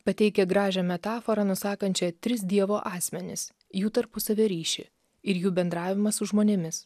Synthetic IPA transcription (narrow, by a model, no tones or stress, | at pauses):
pɐt̪ʲɛɪkʲɛɡɾɑːʒʲɛmʲɛt̪ɑːfoːɾɐnʊsɑːkɐnʲt͡ʃʲɛt̪ʲɾʲɪs̬d̪ʲiɛʋoːʔɑːsʲmʲɛnʲɪ̰s | juːt̪ɐɾpʊsɐʋʲɛɾʲiːʃʲɪ̰ | ɪɾjuːbʲɛnd̪ɾɑːʋʲɪmɐsʊʒmoːnʲɛmʲɪs